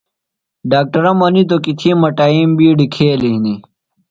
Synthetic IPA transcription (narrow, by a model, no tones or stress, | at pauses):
ɖaːk̚ʈɐɾɐmɐnit̪̬okit̪ʰimɐʈaːimbiːɖikʰeːliɦini